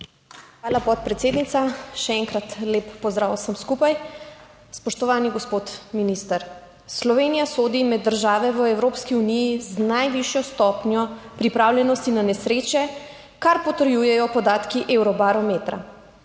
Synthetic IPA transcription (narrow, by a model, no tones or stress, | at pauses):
xʋaːlapɔt̪̚pɾɛt̪seːd̪nit̪saʃɛɛŋkɾat̪leːpːɔzd̪ɾaːwsəmskupaj | spɔʃt̪ɔʋaːniɡɔspot̪minist̪aɾ | slɔʋeːnijasoːd̪imɛd̪ːəɾʒaːʋɛʋəɛwɾoːpskiunijiznajʋiʃjɔst̪ɔːpnjɔpɾipɾaːwlʲjɛnɔst̪inanɛsɾeːt͡ʃɛ | kaɾpɔt̪əɾjujɛjɔpɔd̪aːt̪kiʔewɾɔbaɾɔmeːt̪ɾa̰